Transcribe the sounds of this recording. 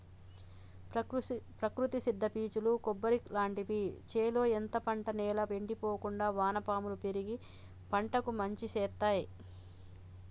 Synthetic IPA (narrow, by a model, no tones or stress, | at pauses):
pɾɐkɾut̪isid̪ʱːɐpiːt͡ʃulukɔbːɐɾiklaːɳʈipit͡ʃeːlo̞ːent̪ɐpɐɳʈɐnɛːlɐʋeɳɖipoːkuɳɖaːʋaːnɐpaːmulupeɾiɡi | pɐɳʈɐkumɐɲt͡ʃisɛːt̪ːaːji